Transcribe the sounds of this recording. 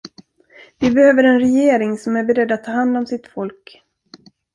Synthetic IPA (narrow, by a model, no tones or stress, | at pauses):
vɪbɛhøːvəɾɛnɾɛjeːɾɪŋsɔmæɾbɛɾɛd̪ːat̪ʰːɑːhand̪ɔmsɪt̪fɔlk